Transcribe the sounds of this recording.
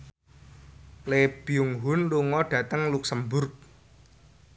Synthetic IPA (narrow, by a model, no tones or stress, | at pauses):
leb̥iuŋɦʊnluŋɔɖ̥ä̤t̪əŋluksəmbʊrk̚